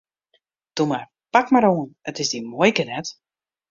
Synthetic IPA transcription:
d̥umar | pakmaɾoːənətɪzdimojkənɛt

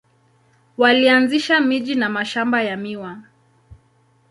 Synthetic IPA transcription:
walianziʃamiʄinamaʃambajamiwa

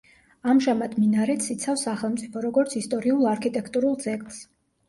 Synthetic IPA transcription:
amʒamad̪minaɾɛt̪sit̪sʰafsaχɛlˠmt̪sʼipʰɔɾɔɡɔɾt̪sʰist̪ʼɔɾiulˠaɾkʰit̪ʼɛkʰt̪ʼuɾulˠd̪zɛkʼlˠs

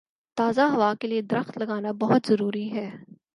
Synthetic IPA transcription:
t̪aːzaɦɐʋakelied̪ɐɾəxt̪lɐɡaːnabɐɦʊt̪zɐɾuːɾiɦɛː

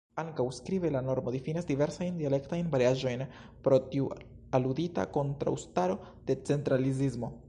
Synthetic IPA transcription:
aŋkawskɾibelano̞ɾmo̞difinasdive̞ɾsajndiale̞ktajnvaɾiaʒo̞jnpɾo̞tiu | aludita̰ko̞ntɾa̰wstaɾo̞ | d̥e̞t͡se̞ntɾalizizmo̞

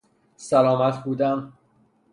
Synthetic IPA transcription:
sælɒːmæt̪ʰbuːd̪æm

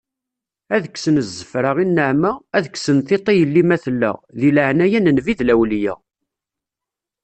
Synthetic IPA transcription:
æðəksənəzːəfɾəʁinːəʕmææðəksənθit̪ˤijəlːimæθlːæ̰ðilʕnæjænənviðlæwljæ̰

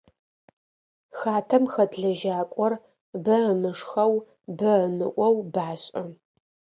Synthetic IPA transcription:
xaːtʰɐmxɐdɮɐʒaːkʷʼɔr | bɐənɨʂxɐw | bɐənɨʔʷɔwbaːɕʼɐ

